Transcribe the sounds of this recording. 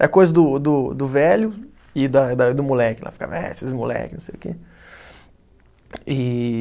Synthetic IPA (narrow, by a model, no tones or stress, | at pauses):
ɛkojzɐd̪ʊd̪ʊd̪ʊvɛlʊ | ɪd̪ɐd̪ɐd̪ʊmulɛkɪla̰fi̥ka̰vɐ̰̃ɛ̰esɪsmulɛ̰kɪnõsejʊkḛ | ɪ